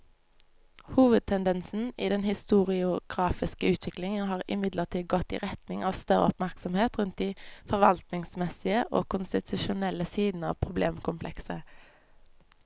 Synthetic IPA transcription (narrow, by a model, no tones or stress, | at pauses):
huːʋəd̪̚t̪ʰɛnd̪ɛnsn̩ḭːd̪ɛnhɪst̪uːʁɪʊɡ̥ʁɑːfɪskəʉːt̪ʰʋɪklɪŋənɦɑːʁɪ̰mɪd̪ləʁt̪ʰiːd̪ɡɔt̪ḭːʁɛt̪nɪŋɑːʋst̪œʁə̰ɔpmæʁksɔmheːt̪ʁʉnt̪̚d̪iːfɔʁʋɑlt̪nɪŋsmɛsɪəʔo̰ːkʰʊnst̪ɪt̪ʰʉʃʊnɛləsiːd̪n̩əɑ̰ːʋpʰʁʊbleːmkʰʊmpʰlɛksə